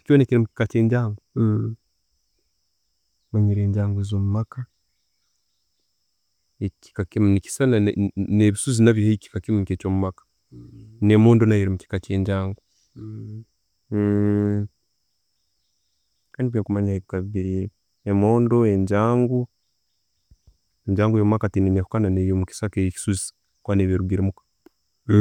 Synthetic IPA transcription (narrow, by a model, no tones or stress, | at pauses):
conekeɾemuci̥kat͡ʃe̞ːɲɟaːŋɡo | maɲiɾe̞ːɲɟaːŋɡezo̞ːmumaka | eci̥kakemnici̥sananeβisuzinaβjohaici̥kakimuket͡ʃomumakḁ | nemoːndo̞najeɾimuci̥kat͡ʃe̞ːɲɟaːŋɡo | kaːndiβekumaɲaheikaβiɾi | emo̞ːndoeɲɟaːŋɡu | eɲd͡ʒaːŋɡojomumakatineɲakukananejomuki̥sakeiki̥suzi̥ | kwaːneβeɾuɡiɾimukḁ